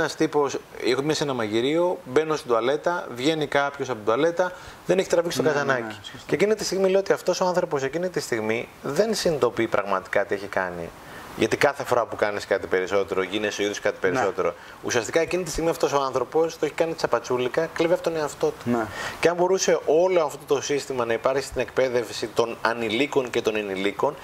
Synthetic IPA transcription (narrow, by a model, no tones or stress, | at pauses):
nɐst̪ipo̞sexomɐsenɐmɐʝiɾio̞be̞nost̪id̪uɐle̞t̪ɐvʝe̞nikɐpço̞sɐpod̪uɐle̞t̪ɐðeneçit̪ɾɐviksit̪kɐzɐnɐci̥ceciniit̪ist̪iɣmileot̪iɐft̪o̞so̞ɐnθɾo̞po̞se̞cinit̪ist̪iɣmiðe̞nsinit̪o̞pipɾʔɐɣmɐt̪i̥kɐt̪ie̞çikɐ̰nḭ | ʝɐt̪ikɐθe̞fo̞ɾɐpukɐniskɐt̪ipe̞ɾiso̞t̪e̞ɾo̞ʝineseo̞iðoskɐt̪i̥pe̞ɾiso̞t̪e̞ɾo̰ | ṵsiɐst̪ikɐe̞cinit̪ist̪iɣmiɐft̪o̞so̞ɐnθɾo̞po̞st̪o̞eçi̥kɐnit̪t͡sɐpɐt͡sulikɐkleveɐpot̪oneɐft̪o̞t̪u̥ceɐmbo̞ɾuse̞ʔo̞loɐɐft̪ot̪o̞sist̪imɐnɐipɐɾksi̥t̪ine̞k̚pe̞ðe̞fsit̪o̞nɐniliko̞nce̞t̪o̞niniliko̞n